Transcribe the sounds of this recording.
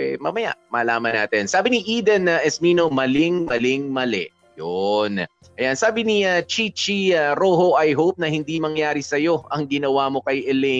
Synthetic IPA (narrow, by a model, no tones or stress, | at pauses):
ɛmamɐja̰mɐlaːmɐna̰ːt̪ɛnsaːbɪniʔiːd̪ɐnɐʔɛsminomɐlɪŋmɐlɪŋmɐlɛ̰ | jon | ʔɐjansaːbɪniɐt͡ʃit͡ʃiɐɾoːɦoʔɐjɦowp̚nɐhɪnd̪imɐŋjaːɾisɐjo̞ʔɐŋɡɪnɐwamo̞kɐjʔɛlɛ